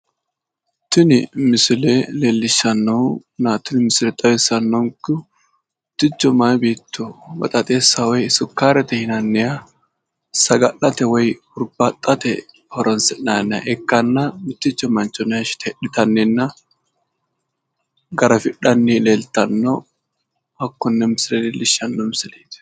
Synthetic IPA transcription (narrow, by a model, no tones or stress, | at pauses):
t̪ːɪnɪmɪsɪleːleːlːɪʃːɐnːɔnaːt̪ːʊnmɪslɛt̪ʼɐweːsːɐnːɔŋkʊ | mɪt̪ːɪt͡ʃːɔmaːbeːt̪ʰːʊbɐ̰t̪ʼɐt̪ʼeːsːɐwɔjɪsʊkːaːɾɛt̪ɛhɪnɐnːɪjɐ | sɐɡɐʔɐt̪ɛwɔj | ʊɾbɐt̪ʼːɐt̪ɛ̰ | hɔɾʔɔnsɛnaːnɐ̰ʔɛkːɐnːɐmɪt̪ːɪt͡ʃːɔmɐnt͡ʃɔnʃɪ̥t̪ɛᶑɪt̪ɐnːɛnːɐ | ɡɐɾɐfɪᶑɐnːileːlt̪ɐnːɔ | ɐkːɔnːɛmɪsɪɾɛlɪlːɪʃɐnːɔmɪsɪliːt̪